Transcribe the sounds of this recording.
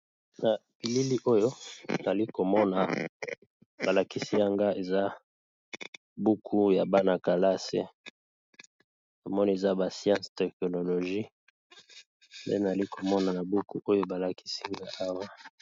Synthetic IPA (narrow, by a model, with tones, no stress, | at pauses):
na˨pi˨li˦li˦ʔo˦jo˦na˨li˦ko˨mɔ˦na˨ | b̥a˨la˨ki˦si˦a˦ŋɡa˦e˨za˦ | bu˦kʰu˦ja˨ba˦na˨ka˨la˦sḛ˦ | na˨mɔ˦ni˦e˨za˦ba˨sjã˦stɛ˨kno˨lo˨ʒi˦ | mbḛ˦na˨a˨li˦kʰo˨mɔ˦na˨na˨bu˦ku˦ʔo˦jo˦ba˨la˨ki̥˦si˦ŋɡa˦ʔa˦wa˦